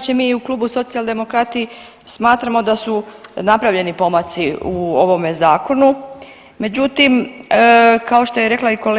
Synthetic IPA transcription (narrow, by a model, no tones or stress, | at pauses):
t͡ʃemiːuklˠuːbuso̞t̪sijald̪e̞mo̞kɾat̪i | smaːt̪ɾamo̞d̪asunapɾaʋʎe̞nipo̞mat̪siuoʋo̞mezaːko̞nu | me̞d͡ʑut̪im | kao̞ʃt̪o̞jeɾe̞klˠaiko̞